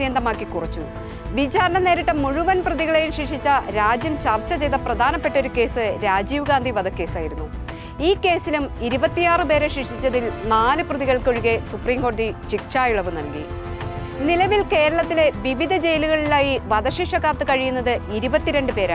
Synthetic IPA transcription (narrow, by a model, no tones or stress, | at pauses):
jɐnd̪ɐmaːkːikurɐt͡ɕːu | ʋit͡ɕaːɾɐɳɐne̞ːɾiʈːɐmuɻuʋɐnprɐðiɣɐɭejumʂikʂit͡ɕːɐɾaːd͡ʑjɐmt͡ɕɐrt͡ɕːɐt͡ɕe̞jðɐprɐd̪ʱaːnɐpːe̞ʈːo̞ɾuke̞ːsɨɾaːd͡ʑiːʋɡaːnd̪ʱiʋɐd̪ɐkːe̞ːsaːjiɾunːu | iːkːe̞ːsilumiɾubɐt̪ːijaːrɨpe̞ːɾeʂikʂit͡ɕːɐðilnaːnɨprɐðiɣɐɭkoɻuɣesupriːmŋɡoːɽɐðit͡ɕikʂaːjuɭɐʋɨnɐlkḭ | nilɐʋilke̞ːɾɐɭɐt̪ːile̞ʋiʋid̪ʱɐd͡ʑe̞jluɣɐɭilaːjiʋɐd̪ɐɕiʂɐɣaːt̪ːɨkɐɻijunːɐðɨiɾubɐt̪ːiɾe̞ɳɖɨpe̞ːɾa̰